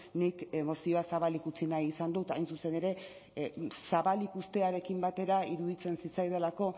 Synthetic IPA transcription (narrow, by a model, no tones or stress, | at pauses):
nikemo̞sio̞asaβalikut͡sinajisand̪ut̪ajnsuse̞ne̞ɾe̞ | saβalikust̪e̞aɾe̞kimbat̪e̞ɾaiɾuðit͡se̞nsit͡sajðelako̞